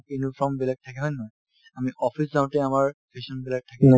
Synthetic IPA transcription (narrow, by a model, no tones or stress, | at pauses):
kinufʰɹɔmbilaɡ̚tʰːakɛnajnɔj | amiʔɔpʰiszaw̃tɛamaɹpʰesɔnbilaɡ̚tʰakɛna